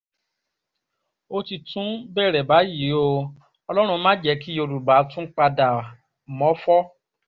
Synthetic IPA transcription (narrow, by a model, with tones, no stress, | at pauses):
o˦ti˧tũ˦bɛ˦˨ɾɛ˨ba˨˦ji˨˦o˧ | ɔ˧lɔ˦ɾ̃ũ˧mãː˦d͡ʒɛ˨˧˦ki˦o˧ɾu˨ba˨˦tũ˦k͡pa˧da˨ | mɔ̃˨˦fɔ˦